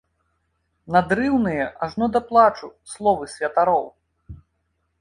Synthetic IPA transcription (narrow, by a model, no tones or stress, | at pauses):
nad̪ɾɨwnɨjɛʔaʐnɔd̪ɐplˠat͡ʂuslˠɔvɨsʲvʲɐt̪aɾɔw